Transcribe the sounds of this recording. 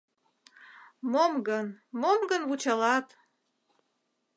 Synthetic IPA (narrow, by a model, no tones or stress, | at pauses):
momɡənmomɡənβut͡ɕɑlɑt̪